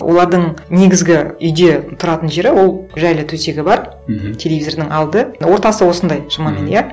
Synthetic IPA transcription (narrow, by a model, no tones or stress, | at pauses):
wʔo̞̰lˠɑɾd̪əɴne̞ɡʲɪzɡʲɪʏjd̪e̞t̪ʰʊɾɑt̪ənʒe̞ɾɪwo̞lˠʒælɪt̪ʰɵse̞ɡʲɪbɑɾ | t̪ʲʰe̞lʲeizo̞rd̪ɪŋɑlˠd̪əwo̞ɾt̪ɑsəwo̞sənd̪ɑjʒ̥əmɑmenjæ